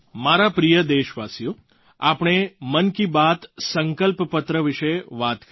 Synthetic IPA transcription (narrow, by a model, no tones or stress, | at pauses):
maɾapɾijəd̪eʃʋasjo | apɳ̃emənkibat̪səŋkəlppət̪ɾəʋɪʃeʋat̪k